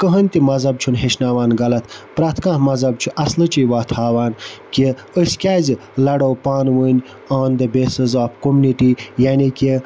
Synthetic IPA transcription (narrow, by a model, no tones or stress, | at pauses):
kəɦənʲt̪imɐzɐb̚t͡ʃʰunɦeʃnaːʋaːnɡɐlɐt̪pɾaːt̪ʰkãːhmɐzɐb̚t͡ʃʰuʔɐslɨt͡ʃijʋaːt̪ʰhaːʋaːnkʲi | əskʲaːzlɐɽowpaːnʋənʲ | oːnd̪ɐbeːsɨzaːfkomuniʈijaːnikʲi